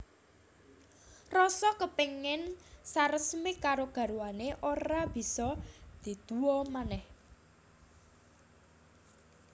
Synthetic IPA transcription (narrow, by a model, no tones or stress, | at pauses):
rɔsɔkəpeŋɪnsaɾəsmikaɾoɡ̥ä̤ɾuwaneʔoɾɾab̥i̤sɔd̪̥i̤d̪̥uɔmanɛh